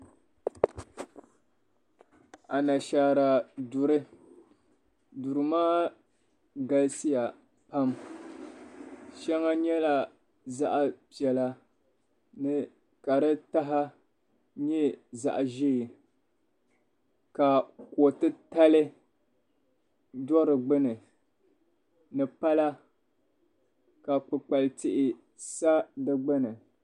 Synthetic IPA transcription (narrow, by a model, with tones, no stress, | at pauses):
a˨na˨ʃa˨ɾa˨dʊ˨ɾɨ˦ | dʊ˨ɾɨ˨maː˦ | ɡa˨lsi˦ja˨ | pa˦m | ʃɛ˦ŋa˦ɲɛ˦la˨ | za˦ʔa˨pi˨ɛ˨la˨ | nɨ˨ | ka˨ɾɨ˦ta˦ɦa˦ | ɲɛ˦za̰˨ʔa˨ʒiː˦˨ | ka˨kɔ˨tɨ˦ta˦lɨ˦ | dɔ˦ɾɨ˨ɡ͡bɨ˦nɨ˨ | nɨ˨pa˦la˦ | ka˨k͡pɨ˨k͡pa˨ltɪ˦ʔɪ˨ | sa˦dɨ˦ɡ͡bɨ˦nɨ˨